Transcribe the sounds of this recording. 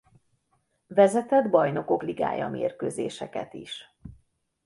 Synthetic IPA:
vɛzɛt̪ɛd̪bɒjno̞ko̞kliɡa̰ːjɒ̰meːrkøːzeːʃɛkɛt̪iʃ

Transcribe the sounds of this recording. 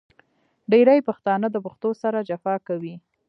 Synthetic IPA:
ɖeɾajpaxt̪ɑnəd̪əpʊxt̪osaɾad͡ʒafɑkawi

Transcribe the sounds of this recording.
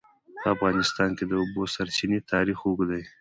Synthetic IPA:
pəafɣɑnɪst̪ɑnked̪əubosaɾt͡ʃinet̪ʰɑɾixoɡd̪aj

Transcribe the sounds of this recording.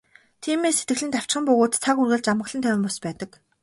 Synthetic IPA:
t̪ʰiːmeːsːet̪ɡɘ̆ɮɘ̆nt̪aw̥t͡ɕχɪ̆mpɵɣoːt̪t͡sʰakurɣɘ̆ɮt͡ɕamə̆ɮə̆nʰœwʲɪ̆mpɔspæːt̪ə̆k

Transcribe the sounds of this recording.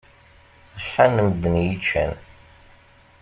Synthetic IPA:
əʃħanəmd̪ːənjit͡ʃʰːæ̰n

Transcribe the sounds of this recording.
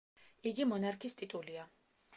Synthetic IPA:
iɡimɔnaɾkʰist̪ʼit̪ʼulia

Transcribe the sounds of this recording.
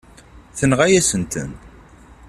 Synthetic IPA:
θənʁæjæsənt̪ə̰n

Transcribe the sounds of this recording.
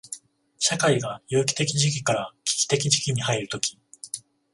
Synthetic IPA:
ɕakaiɡajɯːkʲi̥t̪e̞kʲiʑik̬ʲikaɾakʲi̥kʲi̥t̪e̞kʲid͡ʑikʲiɲ̟ihaiɾɯ̟t̪o̞kʲi̥

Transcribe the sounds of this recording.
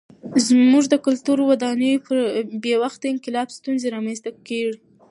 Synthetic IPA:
zmuʐd̪əkʊlt̪uɾwad̪ɑnəjopəɾbjewaxt̪aɪŋqɪlɑbst̪unzeɾɑmanst̪akeʐi

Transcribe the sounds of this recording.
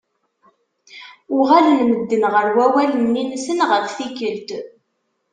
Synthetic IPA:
ʊʁælənməd̪ːənʁəɾwæwælənːinsənʁəɾθikəlt̪

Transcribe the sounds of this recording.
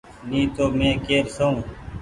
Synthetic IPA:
nĩːt̪oːmẽːkeːɾsəũː

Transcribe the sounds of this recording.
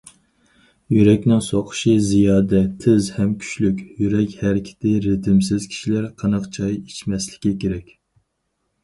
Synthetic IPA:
jyɾɛkʲnɪŋsoqʰʊ̥ʃizijɑːd̪ɛt̪ʰɪzhɛmkʲʰy̥ʃlykʲjyɾɛkʲhɛɾɪkʲʰɪ̥t̪ʰɪɾɪt̪ʰɪmsɪz̥kʲʰi̥ʃilæɾqʰɑnɑqt͡ʃʰɑjit͡ʃmɛslɪ̥kʲikʲeɾɛkʲ

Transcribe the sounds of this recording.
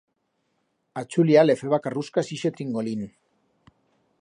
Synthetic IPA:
at͡suliale̞feβakaruskasiʃet̪iŋɡolin

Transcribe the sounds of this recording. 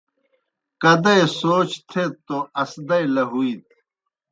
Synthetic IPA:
kɐd̪ɐesoːt͡ɕt̪ʰet̪ːoɐsd̪ɐjlɐɦuit̪̚

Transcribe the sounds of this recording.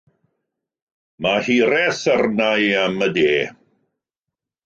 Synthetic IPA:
mahiːɾɛθərnajamədeː

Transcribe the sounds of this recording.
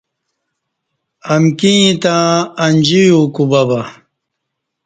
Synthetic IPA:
ɐmkĩt̪ãːɐnʲd͡ʑijukubɐbɐ

